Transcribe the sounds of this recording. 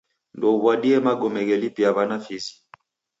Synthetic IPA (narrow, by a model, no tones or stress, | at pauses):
ndɔuβwaɗiɛmaɡɔmɛɣɛlipiaβanafizi̥